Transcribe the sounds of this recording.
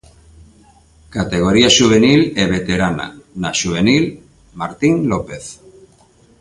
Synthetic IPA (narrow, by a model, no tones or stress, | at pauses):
kat̪eɣ̞oɾiaʃuβ̞enileβ̞et̪eɾana̰naʃuβ̞enil | maɾt̪iŋlopeθ